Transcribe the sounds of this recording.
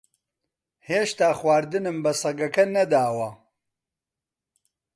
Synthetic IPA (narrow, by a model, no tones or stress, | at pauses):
heːʃt̪aːxwaːɾd̪ɨnɨmbɐsˤɐɡɐkɐnɐd̪aːwɐ